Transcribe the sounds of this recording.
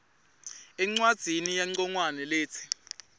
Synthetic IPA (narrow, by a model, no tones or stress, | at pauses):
ɛŋ͡ǀwad̥z̥ʱinijaŋ͡ǀɔŋwanɛleːt͡sʰi̥